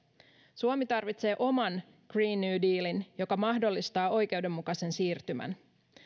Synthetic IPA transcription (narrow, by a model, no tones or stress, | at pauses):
suomit̪ɑrʋit̪se̞ːʔo̞mɑn | ɡ̥riːnːyːdiːlinjo̞kɑmɑhdo̞lːist̪ɑːʔo̞jk̟e̞wde̞mːukɑse̞nsiːrt̪ymæ̰n